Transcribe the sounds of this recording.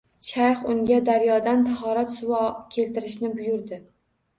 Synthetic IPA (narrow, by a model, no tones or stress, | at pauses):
ʃʰajχʊŋɡʲad̪aɾjɒd̪ant̪ʰaɦɒɾat̪sʊwɒkʲʰe̞lt̪ɪɾɪʃnɪbʊjʊɾd̪ɪ